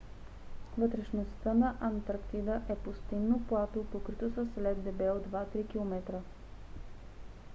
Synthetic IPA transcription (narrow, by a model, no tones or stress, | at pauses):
vət̪ɾɛʃnost̪ənɐʔɐnt̪ɾkt̪id̪əʔɛpost̪innːopˠat̪opokɾit̪osəslɛd̪ːɛbɛod̪vat̪ɾikilˠomɛt̪ɾə